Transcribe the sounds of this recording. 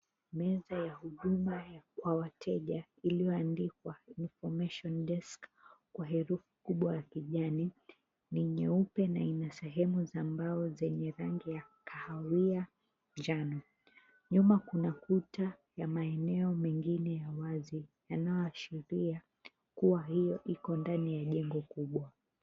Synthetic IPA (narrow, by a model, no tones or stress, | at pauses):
mɛzajahuɗumajakwawatʰɛʄa | ilijɔandikwainfɔmaʃɔndɛsk | kwaɦɛɾufu̥kuɓwajakiʄani | niɲɛupɛnainasɛɦɛmuzambaɔzɛɲɛɾaŋɡijakʰahawia | d͡ʒanɔ | ɲumakunakuta | jamaɛnɛɔmɛŋɡinɛjawazijanajɔaʃiɾia | kuahijɔʔikɔndanijaʄɛŋɡɔkuɓwa